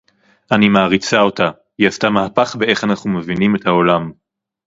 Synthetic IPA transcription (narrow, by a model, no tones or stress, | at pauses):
animaːʁit͡sao̞ta | jastamahapaχbe̞ʔe̞χanaχnume̞vinime̞thao̞lam